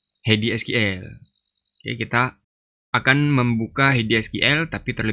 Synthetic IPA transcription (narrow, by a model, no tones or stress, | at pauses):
hediɛskiʔɛl | ja̰kit̪aː | kanməmbukaɦediɛskiʔɛlt̪apit̪ərlə